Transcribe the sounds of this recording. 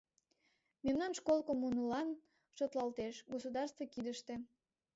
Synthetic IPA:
memnɑnʃkolkomunulɑn | ʃot̪lɑlt̪eʃɡosud̪ɑrst̪vokid̪əʃt̪e̽

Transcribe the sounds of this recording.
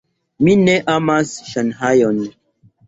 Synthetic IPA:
mineʔamasʃanɦajon

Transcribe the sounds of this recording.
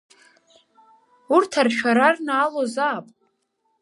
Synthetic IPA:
urtʰarʃᶣaɾarnaːlozaːpʼ

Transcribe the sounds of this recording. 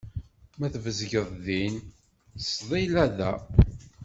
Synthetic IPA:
mæθvəzʝəðˤðin | sðˤilæðæ

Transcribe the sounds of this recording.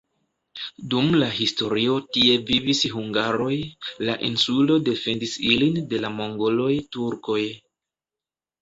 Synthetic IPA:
dumlaɦisto̞ɾio̞tie̞vivisɦuŋɡaɾo̞jlaʔḭnsulo̞de̞fe̞ndisilinde̞lamo̞ŋɡo̞lo̞jtuɾko̞j

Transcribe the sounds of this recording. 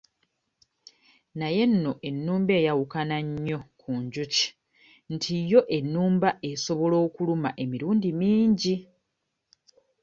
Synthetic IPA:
naje̞nːo̞ʔe̞nːuːmbe̞ːjawukanaɲːo̞kʰuɲɟuci̥ | ntʰijo̞ʔe̞nːuːmbaʔe̞so̞βo̞lo̞ːkulumaʔe̞miɾuːndimiːɲɟi

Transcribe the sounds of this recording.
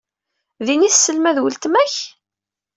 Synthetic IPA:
ðiniθsːəlmæðwəlt̪mæç

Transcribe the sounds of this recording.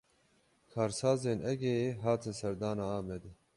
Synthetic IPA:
kʰaːɾsaːzeːnʔɛɡɛjeːɦaːt̪ʰɨnsɛɾd̪aːnaːaːmɛd̪ɛ

